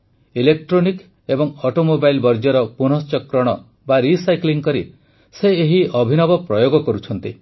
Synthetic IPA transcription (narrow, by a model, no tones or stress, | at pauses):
ilekʈɾonik | ebɔŋɔʈomobajlbɔɾd͡ʒɔɾɔpun̤ɔst͡ʃɔkɾɔɽ̃ɔ | baɾisajkliŋkɔɾi | seeɦiɔbʱinɔbɔpɾɔjoɡɔkɔɾut͡ʃʰɔnt̪i